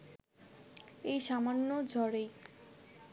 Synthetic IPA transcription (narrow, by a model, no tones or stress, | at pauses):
ejʃamanːod͡ʑʱɔɾej